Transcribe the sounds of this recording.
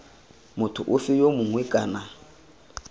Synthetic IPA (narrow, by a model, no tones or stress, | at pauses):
mʊtʰʊ̰ʔʊfɪjomʊŋwɛkʼa̰ːna